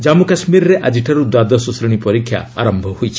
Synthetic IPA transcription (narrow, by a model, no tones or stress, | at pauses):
d͡ʒamukasmiɾɾeʔad͡ʒiʈʰaɾud̪wad̪ɔsɔsɾiɽ̃ipɔɾikʰːja̰a̰ɾɔmbʱɔhujt͡ʃʰi̥